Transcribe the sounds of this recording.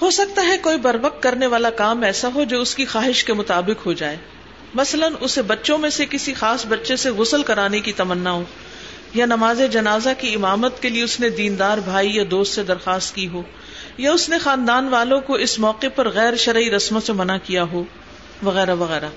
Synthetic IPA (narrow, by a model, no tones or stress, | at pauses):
hoːsɐk̚t̪aɦɛkoːibɐɾʋəqt̪̚kːɐɾneʋaːlakaːmɛːsaɦod͡ʒoːʊskixaːɦɪʃkemʊt̪aːbɪqɦod͡ʒaːeː | mɐslənʊsebɐtːʃõmẽsekɪsixaːsbɐtːʃeseɣʊsəlkɐɾaːnekit̪ɐmənːaɦoː | janɐmaːzed͡ʒɐnaːzakiɪmaːmət̪kelieʊsned̪iːnd̪aːɾbʱaːijad̪oːst̪sed̪ɐɾxaːst̪kiɦoː | jaʊsnexaːnd̪aːnʋaːlõkoɪsmɔːqepɐɾɣɛːɾʃɐɾiɾɐsmasemɐnakijaɦoː | ʋɐɣɛːɾaʋɐɣɛːɾaː